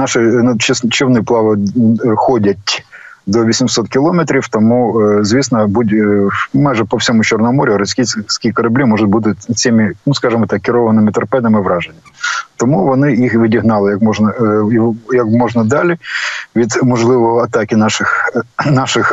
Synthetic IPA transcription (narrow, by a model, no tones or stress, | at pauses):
nɑʃɪnɐt͡ʃst͡ʃɪwnɪplˠɑʋɔxɔdʲɐtʲ | d̪ɔʋʲisʲimsɔt̪kʲɪlˠɔmet̪ɾʲiwt̪ɔmuzʲʋʲisnɐbudʲmɑjʒɛpɔwsʲɔmʊt͡ʃɔrnɔɔmɔɾʲʊɾɐsʲkʲisʲkʲikɐɾɐblʲimɔʒʊt̚ʲbut̪̬ɪt͡sʲimiɪnuskɑʒɪmɔt̪ɑkːɪɾɔʋɐnɪmɪt̪ɐɾpɛd̪ɐmɪʋɾɑʒenʲːɐt̪ɔmuʋɔnɪjixʋʲidʲiɦnɑlˠɪjɐkmɔʒnɐijɐkmɔʒnɐd̪ɑlʲɪʋʲid̪mɔʒlˠɪʋɔɦɔɐt̪ɑkʲɪnɑʃɪxnɑʃɪx